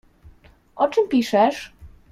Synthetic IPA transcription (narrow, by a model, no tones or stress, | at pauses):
ʔɔt͡ʂɘmpʲiʂɛʂ